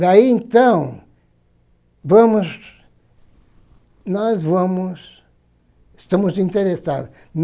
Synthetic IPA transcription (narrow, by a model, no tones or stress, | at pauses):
d̪aiẽnt̪ɐ̃w̃ | vɐ̃muz | nɔzvɐ̃mʊʃ | ʃt̪ɐmuzĩnt̪eɾesaðu | n